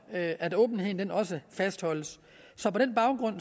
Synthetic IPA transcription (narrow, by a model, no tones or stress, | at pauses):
ʔædɔ̽ːb̥n̩heð̰ˠn̩d̥enɒ̽s̬əfæsd̥hɒ̽l̰əs | sɒ̽pɒ̽d̥enb̥ɑ̈ʊɡ̥ʁɔ̽n̰